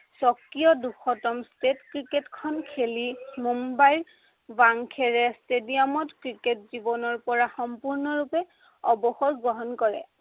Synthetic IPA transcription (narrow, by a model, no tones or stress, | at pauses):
sɔkːijɔduxʰɔtɔmstetkɹiketkʰɔnkʰelimumbajɹ | baŋkʰɛɹɛstedijamɔtkɹiketzibɔnɔɹpɔɹaxɔmpuɹnɔɹupɛ | ɔbɔxɔkɡɹɔɦɔnkɔɹɛ̰